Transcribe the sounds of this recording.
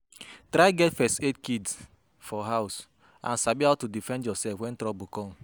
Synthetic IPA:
tɾaɪɡɛtfɛstetkids | fɔɦaʊs | ã̰nsabihaʊtudifɛ̃ndjɔsɛfwɛ̃ntɾɔbukɔ̃m

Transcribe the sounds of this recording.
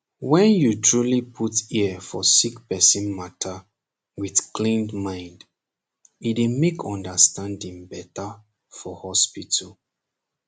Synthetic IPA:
wɛ̃njutʰɹulipʰutiəfɔsikpɛsĩnmatʰa | wiθkʰlĩndmãɪ̃nd | idemekʰɔ̃ndəstãndĩŋbɛtə | fɔhɔspitʰəl

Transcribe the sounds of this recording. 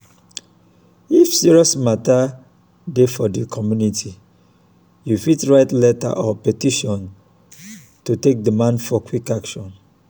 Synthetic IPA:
ifsiɹiɔsmata | defɔdikʰɔmjunitʰi | jufitɹaɪtlɛta̰ʔɔpɛtiʃɔ̃n | tutek̚dimãndfɔkwikakʃɔ̃n

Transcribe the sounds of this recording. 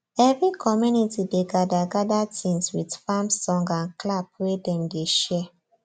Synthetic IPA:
ɛvɹikʰɔmjunitideɡadaɡadatʰĩnswidfamsɔ̃ŋɡãnklab̚wedɛ̃mdeʃɛ

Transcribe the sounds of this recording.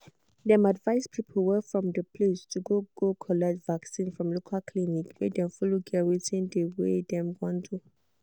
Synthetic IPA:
dɛ̃madvaɪspʰipʰəwɛfɹɔ̃mdəpʰlestʰuɡoɡ̥okʰɔlɛk̚tvaksĩnfɹɔ̃mlokʰalkʰlinikwḛdɛ̃mfɔloɡɛwitĩndəwḛdɛ̃mɡɔ̃ntʰu

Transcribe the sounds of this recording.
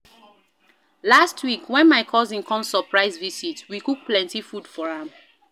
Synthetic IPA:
lastʰwikwɛ̃nmaɪkʰɔzĩŋkʰɔ̃msəpʰɹaɪzvisitwikuk̚plɛ̃ntifud̥fɔɹãm

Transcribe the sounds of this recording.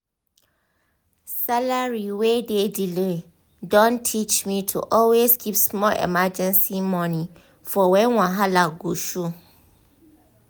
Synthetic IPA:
salaɹiwededile | dɔ̃ntʰit͡ʃmĩtʰṵʔɔlweskʰipsmɔlʔɛ̰mad͡ʑɛ̃nsimɔ̃nĩ | fɔwɛ̃nwãɦalaɡuʃu

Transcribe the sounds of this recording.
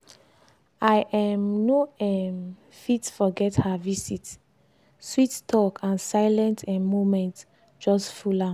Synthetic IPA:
ajʔɛmnoɛm | fitfɔɡɛthavisit | swittʰɔkʰãnsaɪlɛ̃ntʰɛ̃momɛ̃nt | d͡ʒɔstfula

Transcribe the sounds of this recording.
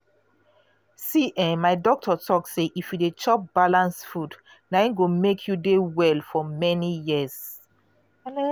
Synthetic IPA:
siʔɛ̃nmaɪdɔk̚tʰɔtʰɔk̚seʔifjudet͡ʃɔp̚b̥alãnsfud | nãɪ̃nɡomekʰjudewɛlfɔmɛnijiz

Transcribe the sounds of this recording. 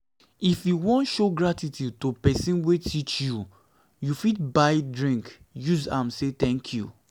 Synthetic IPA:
ifjuwɔ̃ntʃoɡɹatitʰjud̚topɛsĩnwetʰit͡ʃju | jufit̚baɪdɹĩŋk | juzã̰mset̪ɛ̃ŋkʰjṵ

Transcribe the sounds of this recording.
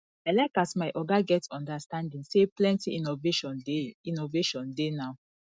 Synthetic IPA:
aɪlakasmaɪʔɔɡaɡɛtɔ̃ndastãndĩŋseplɛ̃ntivʃɔinoveʃɔ̃ndenaʊ

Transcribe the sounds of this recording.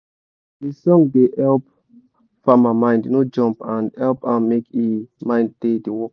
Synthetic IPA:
disɔ̃ŋdehɛlp̚ | famamãj̃ndnod͡ʒɔ̃mpãndhɛlpãnmekimãj̃nd̚dediwɔk

